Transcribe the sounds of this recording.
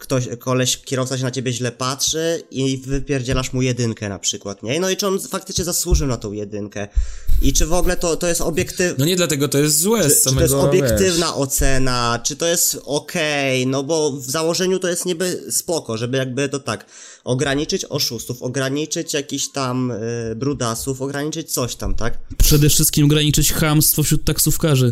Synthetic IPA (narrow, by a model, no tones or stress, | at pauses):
kt̪ɔɕkʰɔlɛɕkʲɛɾɔft̪saɕ̬ɛnat͡ɕebʲjɛʑlɛpatʂɘivɘpʲjɛɾd͡ʑɛlaʂmujɛd̪ɘŋkɛna̰pʂɘkwat̪ɲɛnɔit͡ʂɘɔnfak̚t̪ɘt͡ʂɲɛzaswuʐɘwnat̪ɔ̃w̃jɛd̪ɘŋkɛʔit͡ʂɘvɔɡlɛt̪ɔt̪ɔjɛst̪ɔbʲjɛkt̪ɘvnɔɲɛd̪lat̪ɛɡɔt̪ɔjɛst̪zwɛsaɨtmɛɔjɛsɔbjɛkt̪ɘvnaʔɔt̪sɛnat͡ʂɘt̪ɔjɛst̪ɔkʰɛjnɔbɔvzawɔʐɛɲut̪ɔjɛst̪ɲɛbɘspɔkɔʐɛbɘjaɡ̚bɘt̪ɔt̪ak | ɔɡɾaɲit͡ʂɘt͡ɕɔ̰ʂust̪ufɔɡɾaɲit͡ʂɘt͡ɕjakʲiɕt̪ambɾud̪asufɔɡɾaɲit͡ʂɘt͡ɕt̪sɔɕt̪amt̪akpʂɛd̪ɛfʂɘst̪̚kʲimɔɡɾaɲit͡ʂɘt͡ɕxamst̪fɔfɕɾut̪̚ːaksufkaʐɘ